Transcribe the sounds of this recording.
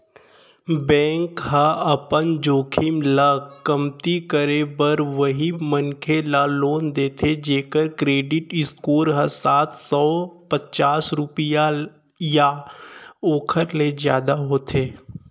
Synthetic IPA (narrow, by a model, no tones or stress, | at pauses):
bɛ̃ːŋkɦãɐpənd͡ʒoːkʰɪmlakɐmt̪ikəɾebəɾʋəɦimənkʰelaloːnd̪eːt̪ʰed͡ʒeːkəɾkɾeːɖɪʈɪskoːɾɦəsaːt̪ʰsɔːpət͡ʃaːsɾʊpɪja | ja | oːkʰəɾlezjaːd̪aɦoːt̪ʰeː